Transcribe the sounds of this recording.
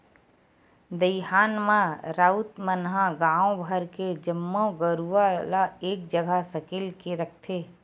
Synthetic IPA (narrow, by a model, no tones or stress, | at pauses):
d̪əɪɦaːnmãɾaːut̪mənɦãɡãːõbʱəɾked͡ʒəmːoɡəɾualaeːk̚d͡ʒəɡasəkɪlkeɾək̚ʰt̪ʰeː